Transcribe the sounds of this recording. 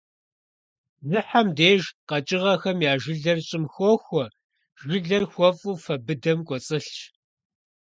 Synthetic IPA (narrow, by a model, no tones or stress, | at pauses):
zɨħamdeːʒqɐt͡ʃʼɪʁɐxɐmjaːʒɨɮɐrɕʼɪmxʷɔːxʷɔ | ʒɨɮɐrxʷɔfʼuːfɐbɨdɐmkʷʼɔt͡sʼɨɬt͡ʃ